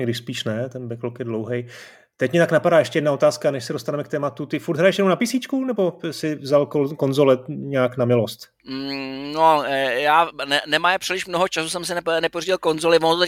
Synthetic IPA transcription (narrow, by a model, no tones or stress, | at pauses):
ɡdɪʃspiːʃnɛt̪ɛnbɛklokjɛdlowɦɛj | t̪ɛcmɛt̪aknapadaːjɛʃcɛjɛdnao̞t̪aːskanɛʃsɛdo̞st̪anɛmɛk̚t̪ɛːmat̪ut̪ɪfuɾd̪ɦɾajɛʃjɛnownapisiːt͡ʃkunɛbo̞sɪvzalkoko̞nzolɛɲɛːknamɪlo̞st̪ | m̩nojaːnɛnɛmaːjpr̥ɪlɪʃmnoɦot͡ʃasusɛmsɪnɛnɛporiɟɪlkonzolɪvonot̪ot̪ɛ